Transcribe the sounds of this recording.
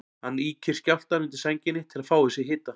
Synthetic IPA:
hanːiːcʰɪɾ̥scaft̪aɾɪnt̪ɪ̥sajɲcɪnːɪt̪ʰɪlaðfaːwðɪsjɛɦɪːt̪a

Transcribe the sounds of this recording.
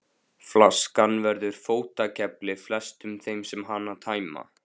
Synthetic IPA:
flaskanvɛɾðʏɾ̥foːwt̪acʰɛplɪflɛst̪ʏmθejmsɛmɦanːat̪ʰaːjma̰

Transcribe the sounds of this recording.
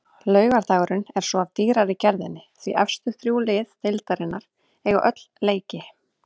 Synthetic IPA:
lœːɥɣaɾt̪aːɣɾʏnɛɾ̥sɔavt̪iːɾaɾɪcɛɾðɪnːɪθviʔɛfst̪ʏxθɾjuːlɪθt̪ʰɪlt̪aɾɪnːaɾ̥ | ɛɣaʔœt̪l̥leːjcɪ

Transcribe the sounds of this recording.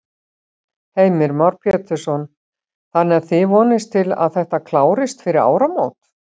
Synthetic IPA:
heːjmɪɾmawɾpʰjɛːt̪ɪ̥sɔn | θanːɛɾ̥θɪvɔːnɪst̪ʰɪla̰ðθɛht̪akʰlaːwɾɪst̪fɪɾɪɾa̰ːwɾamoːwt̪

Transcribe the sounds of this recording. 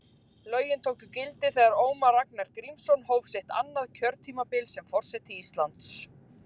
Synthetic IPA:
lœːɥjɪnt̪ʰoːwkʏcɪlt̪ɪθɛːɣaɾoːwmaraknaɾkɾimsɔnhoːwvseht̪ʰa̰nːaðcʰœɾt̪ʰiːmapɪlsɛmfɔr̥sɛht̪ɪiːst̪lant̪s

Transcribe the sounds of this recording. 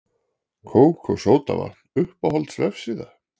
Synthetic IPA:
kʰoːwkʰɔsoːwt̪a̰va̰t̪n̥ʏhpawhɔlt̪svɛfsiːða

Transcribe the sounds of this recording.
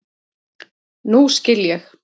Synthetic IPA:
nuscɪljɛx

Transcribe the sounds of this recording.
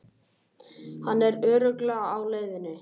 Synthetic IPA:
hanːɛɾœːɾœklɛːɣaaːwleːjðɪnʏ

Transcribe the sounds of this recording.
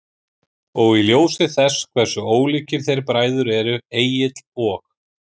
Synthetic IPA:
ɔɣiljoːwsɪθɛskʰvɛɾ̥sʏoːwliːcɪɾ̥θejɾpɾaːjðʏɾɛɾʏeːjɪt̪l̥ɔːk

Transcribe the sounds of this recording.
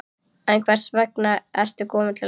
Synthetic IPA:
ɛnkʰvɛr̥svɛknaɛr̥t̪ʏkɔːmɪt̪lɪ

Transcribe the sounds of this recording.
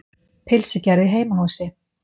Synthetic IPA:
pʰɪlsɪcaɾðɪɦeːjmaɦawsɪ

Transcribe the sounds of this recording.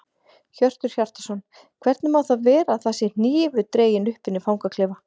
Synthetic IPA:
çœr̥t̪ʏɾ̥çar̥t̪ḁsɔn | kʰvɛɾt̪nʏmawθaðvɛːɾaθasɪn̥iːvʏt̪ɾeːjɪnʏhpɪnːɪfawŋkakʰlɪːva

